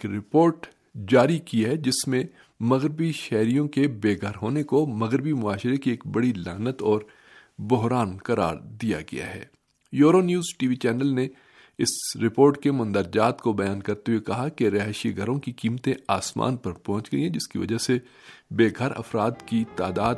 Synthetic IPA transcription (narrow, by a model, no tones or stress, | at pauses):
kɾɪpoːɾʈ | d͡ʒaːɾikiaɦɛd͡ʒɪsmẽ | mɐɣɾɪbiʃɛːɾijõkebeːɡʱəɾɦoːnekomɐɣɾɪbimʊaːʃɾekieːkbɐɽilaːnət̪ɔːɾ | bʊɦɾaːnkɐɾa̰ːɾd̪ija̰ɡɐ̰ja̰ɦɛ̰ː | joːɾonjuːzʈiːʋit͡ʃɛːnəlne | ɪsɾɪpoːɾʈkemʊ̃nd̪əɾd͡ʒaːt̪kobɐjaːnkɐɾt̪eɦuwekɐɦakeɾɛɦʃiɡʱɐɾõkikiːmt̪ẽaːsma̰ːnpɐɾpɔɦʊ̃t͡ʃɡɐĩɦɛ̃d͡ʒɪskiʋɐ̰d͡ʒase | beːɡʱəɾɐ̰fɾaːd̪kit̪aːd̪aːd̪